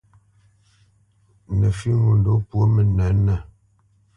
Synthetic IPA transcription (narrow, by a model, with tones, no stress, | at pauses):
nə˨fi˦ŋu˨n˨do˨˦pwo˦mə˨nɛ˨˦nɛ˨